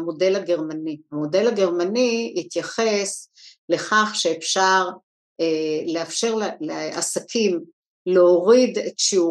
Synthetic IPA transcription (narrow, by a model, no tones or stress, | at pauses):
mo̞de̞laɡe̞ʁmanihamo̞de̞laɡe̞ʁmanijit̪jaχe̞s | le̞χaχʃeefʃaʁ | eleafʃe̞ʁlleasakʰim | leoʁidetʃiu